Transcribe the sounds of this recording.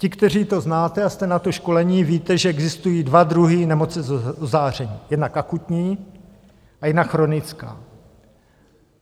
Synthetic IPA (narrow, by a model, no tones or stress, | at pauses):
cɪkt̪ɛr̝iːt̪o̞znaːt̪ɛast̪ɛnat̪o̞ʃko̞lɛɲiːviːt̪ɛʒɛɛɡzɪst̪ujiːdvad̪ɾuɦɪnɛmo̞t͡sɛzozaːr̝ɛɲiːjɛdnakʔakut̪ɲiː | ʔajɛdnakxɾo̞nɪt͡ska̰ː